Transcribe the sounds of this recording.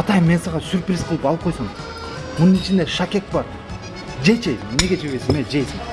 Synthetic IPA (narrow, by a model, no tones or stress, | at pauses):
ɑt̪ɑjmːe̞nsɑʁɑsʲyɾprʲisqʰəlˠɯpɑlˠɯp̚qʰo̞jsuɴ | munɯnit͡ʃʰind̪eʃakʲe̞k̚bɑɾ | d͡ʒet͡ʃene̞ɡʲe̞t͡ʃʰeβesiŋmed͡ʒejsim